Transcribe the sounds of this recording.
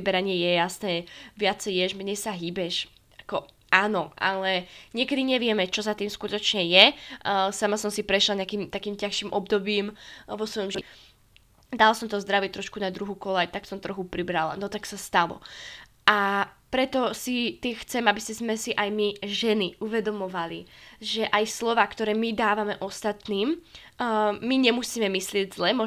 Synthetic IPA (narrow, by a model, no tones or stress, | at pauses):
ibɛɾaɲɪɛjɛjasnɛːʋɪat͡sɛjjɛʒmɛɲɛjsaɦibɛʃ | akɔ | ʔaːnɔʔa̰lɛɲɪɛkɛd̪iɲɛʋɪɛmɛt͡ʃɔzat̪iːmskut̪ɔt͡ʃɲɛjɛ | samasɔmsipɾɛʃlaɲakiːmt̪akiːmcaxʃiːmʔɔbd̪ɔbiːmʋɔsʋɔjɔmʒ | d̪alasɔmt̪ɔzd̪ɾaʋɪɛt̪ɾɔʃkunad̪ɾuɦukɔlajt̪aksɔmt̪ɾɔxupɾibɾala̰nɔt̪aksast̪alɔ̰ | ʔapɾɛt̪ɔsit̪ɪɛxt͡sɛmabiscɛzmɛsiʔajmiʒɛniʔuʋɛd̪ɔmɔʋaliʒɛʔajslɔʋaːkt̪ɔɾɛːmid̪aːʋamɛʔɔst̪at̪niːm | miɲɛmusiːmɛmislɪɛɟzlɛmɔ